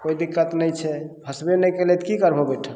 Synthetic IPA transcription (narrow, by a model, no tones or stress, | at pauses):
kojd̪ikːət̪nɛjt͡ʃʰɛbʱəsbenɛjkelet̪kikəɾbʱobeʈʰə